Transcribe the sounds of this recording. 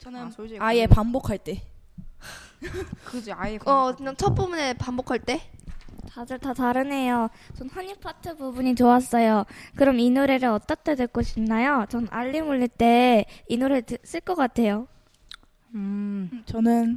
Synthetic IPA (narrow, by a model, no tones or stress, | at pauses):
aiepambokʰaɭt͈e̞ | kɯd͡ʑʌkɯɲaŋt͡ɕʰʌp͈umune̞pambokʰaɭt͈e̞t͡ɕadɯɭtataɾɯne̞jot͡ɕʌnhaɲipʰatʰɯbubuɲit͡ɕoas͈ʌjokɯɾʌminuɾeɾɯʌt͈ʌt͈adɯɭk͈oɕʰinnːajot͡ɕʌnʔa̰ʎːimuʎːiɭt͈e̞inuɾes͈ɯɭk͈ʌk͈atʰe̞jo | ɯt͡ɕʌnɯn